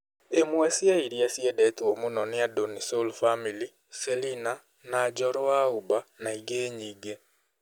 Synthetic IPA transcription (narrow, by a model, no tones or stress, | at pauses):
emwesiaiɾiasjedɛtomunɔnejadonisolfamili | selina | nad͡ʒɔɾoaubanaiɡeːɲiːɡe